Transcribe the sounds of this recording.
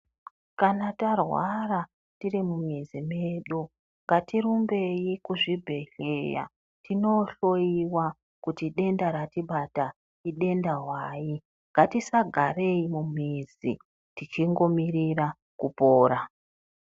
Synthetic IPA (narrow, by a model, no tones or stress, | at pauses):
kanatarwara | tirimumezimeːɗo | ŋɡatiɾumbe̞jikuʐibʱe̞ɬeja̰ | tino̞ɬo̞iwa | kutiɗe̞ndaɾatiɓata | iɗe̞ndaɦwaːji | ŋɡatisaɡʱare̞imumizḭ | tit͡ʃiŋɡo̞mirira | kupoːɾa